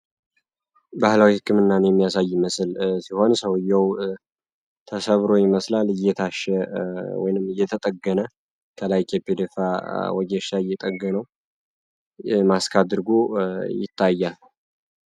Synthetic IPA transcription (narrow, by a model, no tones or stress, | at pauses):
bahlawihɨkʰːɨmɨnːanjɛmːijasajːməsɨlsiho̞nsəwɨjːəw | t̪ʰəsəβɾo̞jɪməslalɨjːɛt̪ʰaʃɛwɔ̰jɪnɨmɨjːɛt̪ʰət̪ʼəɡənə | kʰəlajk̪ʰepːed̪efawɔd͡ʒɛʃaɪjːɛt̪ʼəɡːɨnəw | maskʰad̪ɨɾɡojɪ̰t̪ʰːajːal